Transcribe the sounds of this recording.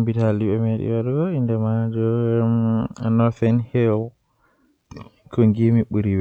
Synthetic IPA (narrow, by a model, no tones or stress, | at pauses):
mbitaliɓɛmeɗḭwaɾɡɔindɛmad͡ʒɔ | nɔɾθɛnhil | kʰɔŋɡimiɓuɾiwɛ